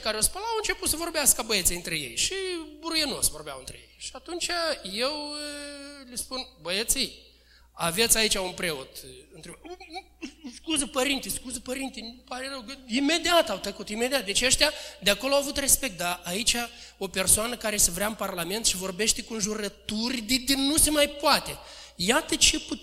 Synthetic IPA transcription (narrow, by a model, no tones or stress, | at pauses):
kaɾeospəlaawɨnt͡ʃe̞put̪səvo̞rbeaskabəjet̪sijɨnt̪ɾeje̞̰jʃibuɾujeno̰svo̞rbea̰wɨnt̪ɾejḛjʃiat̪unt͡ʃaje̞w | lispunbəjet̪sij | avet̪sʲait͡ʃʲaunpɾe̞ot̪ɨnt̪ɾe | skuzəpəɾint̪ijskuzəpəɾint̪inpaɾerəwkəime̞d̪iat̪awt̪əkut̪ime̞d̪iat̪̚d̪e̞t͡ʃəʃt̪ead̪eako̞loawavut̪re̞spe̞k̚t̪̚d̪aʔait͡ʃʲa | o̞pe̞rsoanəkaɾe̞səvɾeaɨnparlame̞nt̪ʃivo̞rbe̞ʃt̪e̞konʒuɾət̪urʲd̪ed̪enːusemajpoat̪e̞ | jat̪ət͡ʃe̞pu